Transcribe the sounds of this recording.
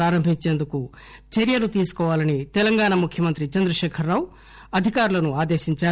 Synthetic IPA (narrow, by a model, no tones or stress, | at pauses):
aːɾɐmbʱiɲt͡ʃeːnd̪uku | t͡ʃeɾjɐlut̪iːsu̥kɔːʋaːlɐnit̪ɛlɐŋɡaːɳɐmukʰjɐmɐnt̪ɾit͡ʃɐnd̪ɾɐʂeːkʰɐɾːaːwu | ɐd̪ʱikaːɾulɐnuaːd̪eːʃiɲt͡ʃaː